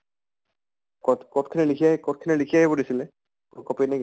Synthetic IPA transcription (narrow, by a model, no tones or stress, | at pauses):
kɔkɔtkʰinɛlikʰijaɦɛkɔt̚kʰinɛlikʰijaɦɛbɔdisilɛ | kɔkɔpeniɡ